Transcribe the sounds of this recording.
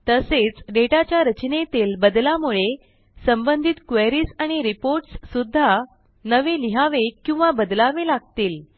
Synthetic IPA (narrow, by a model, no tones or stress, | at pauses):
t̪əset͡sɖeʈat͡ɕjaɾət͡ɕnet̪iːlbəd̪lamuɭe | səmbənd̪ʱit̪kʋeɾiːsaɽ̃iɾipoɾʈsːud̪ʱːa | nəʋeliɦaʋekːĩw̃ʋabəd̪laʋelaɡ̚t̪iːl